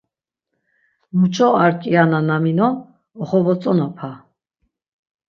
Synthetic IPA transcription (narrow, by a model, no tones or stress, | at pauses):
mut͡ʃʰʼɔaɾkʼiananaminɔ | ɔχɔvɔt͡sʼɔnapʰa